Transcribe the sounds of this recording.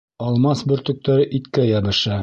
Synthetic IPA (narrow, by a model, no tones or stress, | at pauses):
ɒlˠmɑsbɵ̆ɾt̪ɵ̆k̚t̪æɾɘʔit̪kæjɑbɤ̆ʃɑ